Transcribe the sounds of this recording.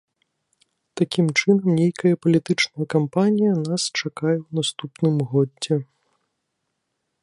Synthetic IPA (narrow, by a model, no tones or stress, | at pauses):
t̪akʲimt͡ʂɨnɐmnʲejkɐjɐpɐlʲit̪ɨt͡ʂnɐjɐkampanʲijɐnast͡ʂakajɛwnast̪upnɨmɣɔdʲːɛ